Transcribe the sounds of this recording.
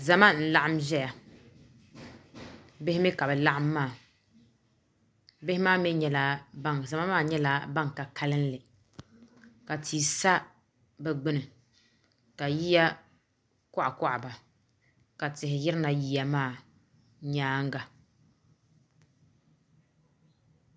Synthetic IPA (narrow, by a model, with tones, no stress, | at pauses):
za˨ma˦n̩˨la˦˨ʔa˦mʒɛ˦ja˨ | bɪ˦hɪ˦mɛ˦ka˨bɛ˨la˦ʔa˦mːaː˦˨ | bɪ˦hɪ˦maː˦mɛ˦ɲɛ˦la˦a˦za˨ma˦maː˦˨ɲɛ˦la˦ba˦ŋka˨ka˦lɨ˦n˦lɪ˨ | ka˨tʰiː˨sa˦ | bɛ˨ɡ͡bɪ˦nɨ˨ | ka˨ji˦ja˦ | kʊ˦ʔa̰˨kʊ˦ʔa˨ba˨ | ka˨tɪ˨ɦɪ˨jɪ˦ɾɪ˦na˨ji˦ja˦maː˦˨ | ɲaː˦ŋ˦ɡa˨